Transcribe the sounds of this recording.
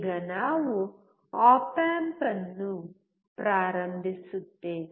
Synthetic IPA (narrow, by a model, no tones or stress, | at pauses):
ɡɐnaːwu | aːpaːmpɐnːu | pɾaːɾɐmbʱisut̪ːeː